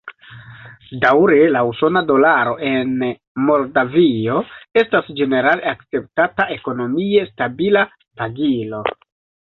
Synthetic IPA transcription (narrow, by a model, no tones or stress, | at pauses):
dawɾelauso̞nado̞laɾo̞ʔe̞n | mo̞ldavio̞e̞stasd͡ʒe̞ne̞ɾaleakt͡se̞p̚tataʔe̞ko̞no̞mie̞stabila | paɡilo̞